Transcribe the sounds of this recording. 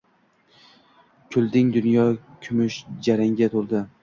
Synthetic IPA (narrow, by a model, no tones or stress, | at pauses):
kʲʰʊlˠd̪ɪŋd̪ʊnjɒkʲʰʊmʊʃd͡ʒaɾaŋɡʲat̪ʰʊɾd̪ɪ